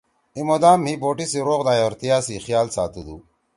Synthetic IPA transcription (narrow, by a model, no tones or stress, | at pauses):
imod̪aːmɦiboːʈisiɾoːɣd̪aːjoɾt̪ijaːsixjaːlsa̰ːt̪ud̪ṵː